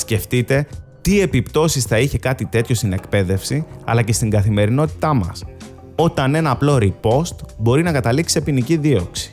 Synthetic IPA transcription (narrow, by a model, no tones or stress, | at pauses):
sce̞ft̪it̪e̞t̪ie̞pipt̪o̞sisθɐiçe̞kɐt̪it̪e̞t̪ço̞st̪ine̞kpe̞ðe̞fsiɐ̰lɐce̞st̪iŋɡɐθime̞ɾino̞t̪i̥t̪ɐmɐ̰s | o̞t̪ɐne̞nɐːplo̞ɾipo̞st̪bo̞ɾinɐkɐt̪ɐliksepiniciðio̞ksi̥